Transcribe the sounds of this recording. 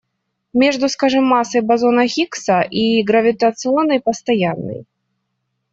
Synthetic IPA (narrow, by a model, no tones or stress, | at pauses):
mʲɛʐd̪uskaʐɨmːasɐjbazɔnɐɣʲiksɐʔiɡɾɐvʲit̪ɐt̪sɨɔnɐjpɐst̪ajanːɨ̰j